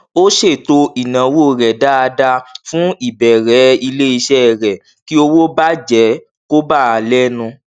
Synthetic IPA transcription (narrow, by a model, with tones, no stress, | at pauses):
o˦ʃe˦˨to˧i˨nã˨wo˦˨ɾɛ˨da˦a˧da˧fũ˦i˦˨bɛ˨ɾɛ˨˦i˧le˦i˧ʃɛ˦˨ɾɛ˨ | ki˦o˧wo˦ba˦d͡ʒɛ˨˦ | ko˦ba˦˨a˨˧lɛ˦nũ˧